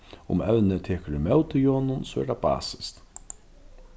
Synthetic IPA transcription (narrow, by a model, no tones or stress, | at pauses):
ʊ̰mɛwnɪt̪ʰɛːkəɾʏmɛwt̪ɪjoːnʊnsɔɛ̰ɾt̪aba̰ːsɪ̥st̪